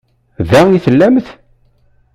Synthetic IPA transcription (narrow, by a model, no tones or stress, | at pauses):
ðæiθəlːæmθ